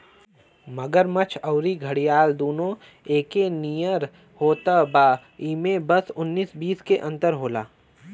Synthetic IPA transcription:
mɐɡəɾmɐt͡ʃʰɐːɾiɡʱɐɽijaːld̪oːnõ | eːkenijəɾ | hoːt̪əbaː | iːmẽbəsʊnːiːsbiːskeʔɐ̃nt̪əɾɦoːla̰ː

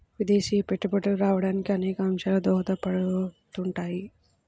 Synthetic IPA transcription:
ʋid̪e̞ːʃiːpe̞ʈːupɐʈɐluɾaːʋɐɽaːnikiɐnɛːkɐɐmʂaːlɐd̪ɔːɦɐt̪ɐpɐɽut̪uɳʈaːji

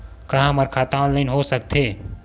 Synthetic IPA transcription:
kaɦməɾkʰat̪aːnləɪnɦosək̚t̪ʰe

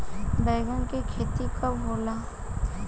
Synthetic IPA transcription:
bɛːɡõkikʰeːt̪ikaboːlaː

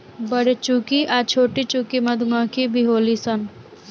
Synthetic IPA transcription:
bəɽet͡ʃukiʔaːt͡ʃʰoːʈit͡ʃuːkimɐd̪ʱməkibʱiɦoːlisən

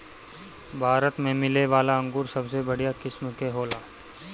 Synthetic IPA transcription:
bʱaːɾət̪mẽmɪleʋaːlaɐ̃ŋɡuːɾsɐbsebɐɽ̤ijakɪsmkeɦoːlaː

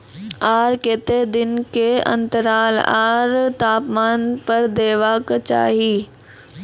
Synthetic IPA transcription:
aːɾkeːt̪ed̪ɪnkeɐ̰̃nt̪əɾaːlaːɾt̪aːpmaːnpɐɾd̪eːʋaːkt͡ʃa̰ːɦiː

